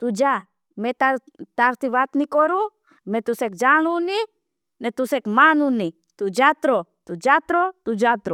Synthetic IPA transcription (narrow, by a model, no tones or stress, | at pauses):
t̪ud͡ʒa | met̪a | t̪aɾt̪iβat̪nikoɾu | met̪usek̚d͡ʒanuni | net̪usekmanuni | t̪ud͡ʒat̪ɾot̪ud͡ʒat̪ɾot̪ud͡ʒat̪ɾo